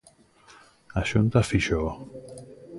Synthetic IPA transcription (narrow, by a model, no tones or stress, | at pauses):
aʃunt̪afiʃo